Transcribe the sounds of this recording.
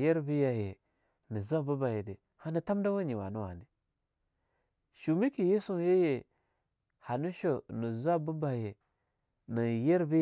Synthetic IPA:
je˦ɾbi˦ja˨je˨ | ni˨za˦bu˦ba˨je˨de˨ | ha˦ni˦ta˦mda˦wa˦ɲi˨wa̰˨nu˦wa̰˨ni˦ | ʃu˨mi˦ki˨je˦su˦˨˦je˦je˨ | ha˨nu˦ʃo˨ni˨za˦bu˦ba˨je˨ | ni˨je˦ɾbi˦

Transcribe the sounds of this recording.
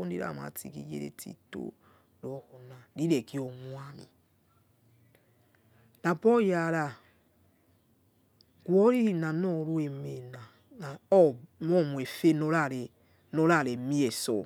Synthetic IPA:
o˦di˦ɾa̰˨ma̰˨tḭ˨kḭ˦jḛ˦ɾḛ˨tʰḭ˦to̰˦ | ɾɔ˨˦hɔ˨na˨ɾi˦ɾɛ˨ki˦ɔ˨mwa˦nḭ˨ | na˨bɔ˦ja˨ɾa˨ | ɡ̥wɔ˦ɾi˦ɾi˦na˨nɔ˦˨ɾu˦e˨me˨na˨ | na˨ɔ˦mɔ˦˨mwɛ˨fe˦nɔ˦ɾa˦˨ɾɛ˨ | nɔ˦ɾa˦˨ɾɛ˨mi˦ɛ˨sɔ̰˨

